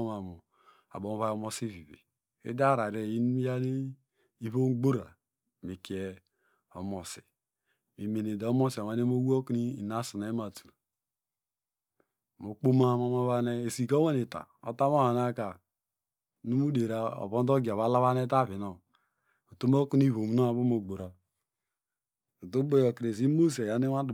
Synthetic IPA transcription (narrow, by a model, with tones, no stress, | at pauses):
ma˨mu˨ | a̰˨bo˨m˦βa˦o˦mo˦si˦vi˨βḛ˨ | ḛ˦da˦ɾa˨ɾe˨ji˦n˦ja˦ne˦ | i˦βo˦ɡ͡bo˦ɾa̰˨ | mi˨ki˨e˦ | o̰˨mo˨si̥̰˨ | mi˨me˨ne˨da˨˦mo˦si˨ma˨n˦e˦mo˦wu˦o˦ki˦ni˦˨na˦su˨na˨˦ma˨tu˨ | mo˨k͡po˦ma˦ma˨ma˦βa˦ne˦e˨si˨ko˦we˦ni˨ta̰˨o̰˨ta˦m˦o˦ha˨n˦a˦ka˨ | nu˦mu˦de˨ɾa˨o̰˨βo˦ndo˦ɡi˨a˨βa˦la˦βa˦ne˦ta˦βi˨no˨ | o˨to˦m˦o˦ku˦ni˦βo˨m˦no˦a˨bo˦mo˨ɡ͡bo˨ɾa˨ | o˨tu˦bo˦jo˨kɾe˨s̬i˦mo˦se˨ja˨ni˦wa˦d